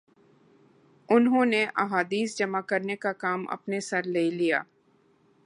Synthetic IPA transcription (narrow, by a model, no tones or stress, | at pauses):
ʊnɦõːneʔa̰ɦaːd̪iːsd͡ʒɐmakɐɾnekakaːmʔɐ̰pnesɐɾleːlija̰ː